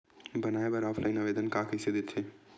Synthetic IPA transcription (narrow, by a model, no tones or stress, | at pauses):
bənaːebəɾɔːpʰlaɪnaʋeːd̪ənkakəɪsed̪et̪ʰe